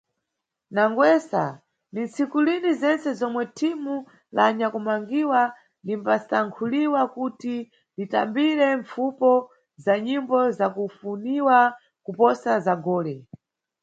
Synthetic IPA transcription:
naŋɡwɛsa̰ | nint͡sikulinizɛnt͡sɛzɔmwɛtʰimu | laːɲakumaŋɡiwa | ndimpastaŋkʰuliwakuti | dita̰mbiɾɛɱfupɔ | zaɲimbɔzakufuniwa | kupɔsazaɡɔːlɛ

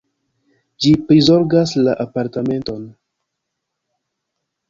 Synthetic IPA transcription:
d͡ʒipɾizo̞ɾɡaslaʔapaɾtame̞nto̞n

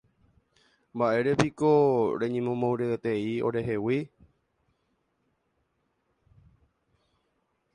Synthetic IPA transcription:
mbaʔe̞ɾe̞piko̞ɾe̞ɲẽmõmõwɾeet̪eio̞̰ɾe̞ɦe̞wi

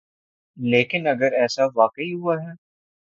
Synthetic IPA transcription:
leːkɪnɐɡəɾɛːsaʋaːqəiɦuaɦɛː

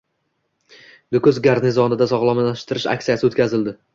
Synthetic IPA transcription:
d̪ʊkʰʊzɡʲaɾnɪzɒnɪd̪asɒʁlˠɒmaʃt̪ɪɾɪʃa̰kʲsijasɪot̪kʲazɪld̪ɪ

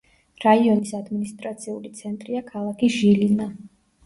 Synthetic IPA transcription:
ɾaiɔnisad̪minist̪ʼɾat̪sʰiulit̪sʰɛnt̪ʼɾiakʰalˠakʰiʒilima

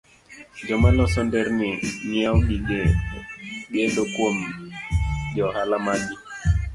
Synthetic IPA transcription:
d͡ʒɔmalɔsɔndɛɾniɲiawɗiɡɛ | ɡɛdɔkwom | ʄɔhalamaɗi

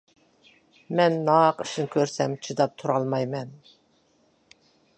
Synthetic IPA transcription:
mɛnːɑːqʰɨʃɨnkʲʰøɾsɛmt͡ʃʰɨd̪ɑp̚t̪ʰuɾɑlˠmɑjmɛn

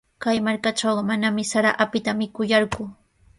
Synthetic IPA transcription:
kajmaɾkaʈ͡ʂawɢɑmanamɪsaɾa̰ʔapɪt̪amɪkʊjaɾɢʊ

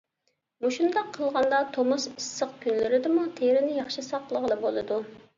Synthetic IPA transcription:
muʃund̪ɑqʰːəlˠʁɑnd̪ɑt̪ʰomusisːəq̚kʲynlɪɾɪd̪ɪmut̪ʰeɾɪnɪjɑχʃisɑqlˠəʁəlˠɨbolˠɨd̪u

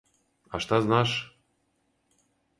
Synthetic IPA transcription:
ɑʃt̪ɑznɑʃ

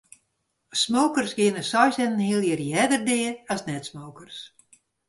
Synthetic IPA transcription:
smoːkərsɡɪənəsɔjsɛnən̩hiəlˠjɪərjɛdərdɪːəɔsnɛtsmowkərs

